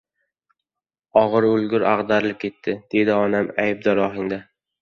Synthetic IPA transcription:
ɒʁɨɾʊlɡʲʊɾʔa̰ʁd̪aɾlɪp̚kʲʰe̞t̪ʰːɪd̪̥e̞d̪ɪɒnamajb̚d̪ɒɾɒɦɪŋd̪a

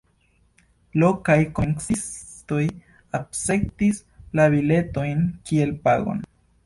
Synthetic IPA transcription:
lokajkonksis | t̪oj | apsek̚tis | laβile̞t̪ojnkielpaɡo̞̰n

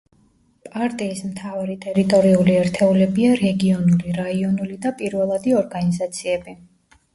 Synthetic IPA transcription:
pʼaɾt̪ʼiːsmt̪ʰavaɾit̪ʼɛɾit̪ʼɔɾiuliɛɾt̪ʰɛulɛbiaɾɛɡiɔnuliɾaiɔnulid̪apʼiɾvɛlˠad̪iɔɾɡanizat̪sʰiɛbi

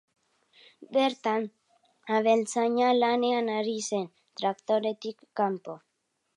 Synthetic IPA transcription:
beɾt̪an | aβe̞lt͡saɲalaneanaɾise̞n | t̪ɾakt̪oɾe̞t̪ikːampo

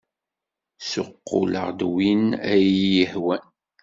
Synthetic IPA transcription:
sʊ̰qːʊ̰lə̰ʁd̪winæjjəhwæn

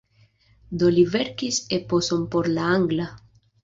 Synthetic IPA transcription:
d̪oliveɾkiseposompoɾlaaŋɡla

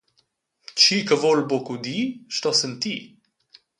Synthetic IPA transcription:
t͡ʃikəvolbokud̪iʃt̪ɔsənt̪i

